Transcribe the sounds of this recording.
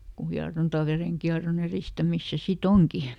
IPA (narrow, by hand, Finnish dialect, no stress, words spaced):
ku hiɑrontɑ ʋereŋkiɑron eristæmis se sit oŋki